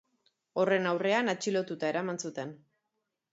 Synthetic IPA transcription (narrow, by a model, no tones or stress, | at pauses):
o̞re̞nawre̞anat͡ʃilo̞t̪ut̪ae̞ɾamansut̪e̞n